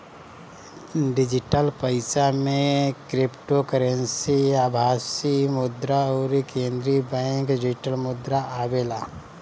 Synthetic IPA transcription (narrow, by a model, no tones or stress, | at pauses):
ɖɪd͡ʒɪʈəlpəɪsamẽkɾɪpʈokəɾənsiaːbʱaːsimʊd̪ɾaɔːɾikẽːnd̪ɾibɛ̃ːŋkɖɪd͡ʒɪʈəlmʊd̪ɾaʔaːbeːlaː